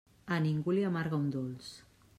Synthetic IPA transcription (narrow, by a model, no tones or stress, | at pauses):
aniŋɡuliamaɾɣaund̪ols